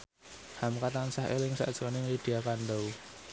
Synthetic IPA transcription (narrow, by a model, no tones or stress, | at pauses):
hamkat̪ansahḛlɪŋsa̰ʔd̥ʒ̥o̤nɪŋlid̥iakand̪əu